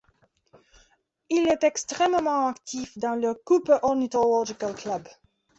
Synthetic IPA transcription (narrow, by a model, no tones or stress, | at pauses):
ilɛt̪ɛkst̪χɛmmɑ̃akt̪ʰifd̪ɑ̃ləkupʔɔʁnit̪ɔlɔʒikalklab